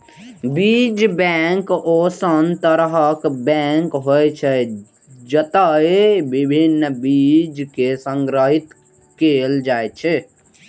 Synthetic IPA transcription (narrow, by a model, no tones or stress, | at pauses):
bid͡ʒbɛŋkosənt̪əɾɦəkbɛŋkɦojt͡ʃʰɛ | d͡ʒət̪əebibʱinːbid͡ʒkesəŋɡɾəɦit̪ | keld͡ʒaet͡ʃʰɛ